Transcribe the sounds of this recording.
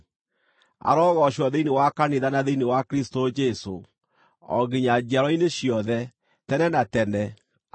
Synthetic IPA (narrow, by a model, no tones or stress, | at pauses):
a̰ɾɔɣɔɕɔðeinewakaneðanaðeinewakɾistod͡ʒeso̰ | ɔ̰ɣeɲad͡ʒiaɾɔineɕjɔðɛ | tɛnɛnatɛnɛ